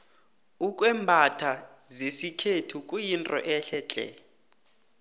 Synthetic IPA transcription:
ukʼwɛːmbʱatʰa | zesikʰetʰukʼujintʼɔ̰ʔɛɬɛt͡ɬʼɛ̰

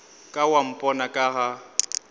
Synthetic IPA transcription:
kʼawam̩pʼɔnakʼaɣa

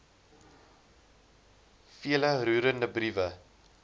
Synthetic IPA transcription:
fiələɾuːɾəndəbrivə

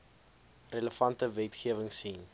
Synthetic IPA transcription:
rələfɐntəvɛtχiəvəŋsin

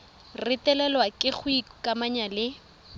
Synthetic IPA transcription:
rɪtɛlɛlwakʼɪk͡xʊikʼamaɲalɪ

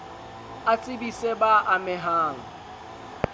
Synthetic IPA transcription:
at͡sʼɪbisebaʔamɪɦaːŋ̩

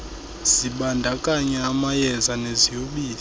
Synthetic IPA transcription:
z̥iɓandʱakʼaɲɛamajɛzanezijoɓiːli

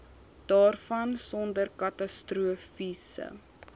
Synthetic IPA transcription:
d̥ɑːrfɐnsɔndərkɐtɐstruəfisə̰

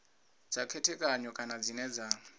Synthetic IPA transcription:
d͡zakʰɛtʰɛkʼaɲɔkʼanad͡zinɛd͡za

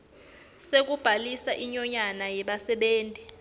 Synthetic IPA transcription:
sek̬ub̥ʱalisaʔiɲɔɲanajɛɓasɛɓeːntʼi

